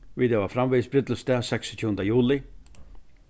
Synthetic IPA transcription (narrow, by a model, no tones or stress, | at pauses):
ʋiːd̪ɛʋafɾamʋiːsbɾɪt̪l̩st̪ɛːsɛksɔ̥t̪ʰjuːnd̪əjuːlɪ